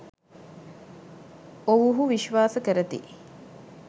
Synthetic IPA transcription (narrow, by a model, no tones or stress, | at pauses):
oʋuɦuʋiʃʋaːsəkəɾət̪ḭ